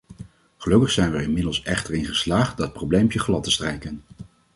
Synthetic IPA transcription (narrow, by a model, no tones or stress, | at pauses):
χəlɵkəχsɛjnʋəɹɪnmɪdəlˠsɛχtəɹɪnχəslaːχt̚dɑt̚prowblejmpjəχlɑtəstrɛjkən